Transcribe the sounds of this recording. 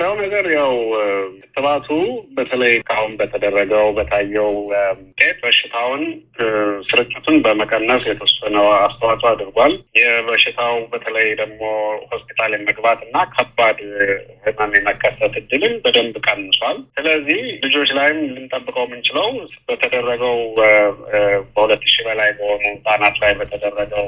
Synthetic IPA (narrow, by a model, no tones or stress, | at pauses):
lawnəɡəɾjawɨt̪ʰːɨβat̪ʰubət̪ʰələjkʰahunbət̪ʰəd̪ərːəɡəwbət̪ʰajːɛwt̪ʼet̪bəʃɪt̪ʰawn | sɨɾɨt͡ʃʼːɪt̪ʰunbəməkʼənːəsjɛt̪ʰəsənəwast̪ʰəwat̪ʼuad̪ɾɡʷaljɛbəʃɪt̪ʰawbət̪ʰələjd̪əɡmo̞ho̞spi̥t̪ʰaljɛməɡbat̪ʼɨnːakʰəbad̪ɨnəmjɛməkʰːəsət̪ʰɨd̪ːɨlɨmbəd̪əmbɨkʼənːɨswalsɨləzːihlɨd͡ʒo̞t͡ʃːlajɪmlɨnt̪ʼəbːɨkʼəwmːɨnt͡ʃɪləwbət̪ʰəd̪ərːəɡəw | bəhulət̪ːɨʃibəlajbəhonəwsʼanat̪lajbət̪ʰəd̪ərːəɡəw